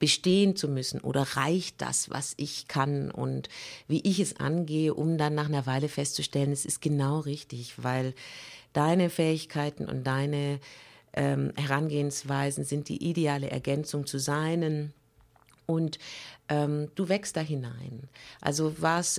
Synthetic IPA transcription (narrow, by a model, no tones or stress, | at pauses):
b̥əʃteːənt͡sumʏsn̩ʔo̰ːɾɐʁaɪçt̚d̥a̰sva̰sʔɪçkʰanʔʊ̰ntviːʔɪçɛsʔa̰nɡeːəʔʊmdanːaːχnɐvaɪləfɛstt͡suʃtɛlənɛsɪst̚ɡ̥ənaʊʁɪçtɪçvaɪld̥aɪnəfɛːɪçkʰaɪtn̩ʔʊ̰nt̚d̥aɪnəʔɛːmhɛʁ̞anɡeːənsv̥aɪzn̩zɪnt̚d̥ḭːʔideaːləʔɛ̰ɐɡɛnt͡sʊŋt͡suzaɪnən | ʔʊntʔɛːmd̥uːvɛkst̚d̥aːɦɪnaɪnʔa̰lzovas